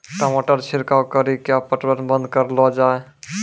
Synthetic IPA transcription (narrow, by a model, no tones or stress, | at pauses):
ʈamaʈəɾt͡ʃʰiɾkawkəɾikeapəʈbənbənd̪̚kəɾlɔd͡ʒae